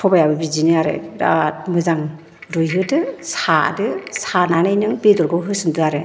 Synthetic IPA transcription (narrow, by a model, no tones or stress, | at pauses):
tʰɔbajabɯbizinɯaɾḛɾa̰t̚mɯzaŋ | ɾujɦɯdɯsa̰dɯsananɯjnɯŋbedɔɾɡɯwɦɯsɯndɯaɾɯ